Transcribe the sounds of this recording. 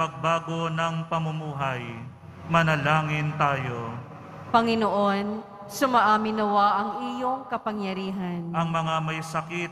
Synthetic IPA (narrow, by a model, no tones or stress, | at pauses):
ɐɡ̚baːɡo̞nɐŋpɐmʊmuːɦɐj | mɐnɐlaːŋɪnt̪aːjo̞ | pɐŋɪnoʔo̞n | sʊmɐʔaːmɪnɐwaʔɐŋɪjoŋkɐpɐŋjɐɾiːɦɐnʔɐŋmɐŋamɐjsɐkit̪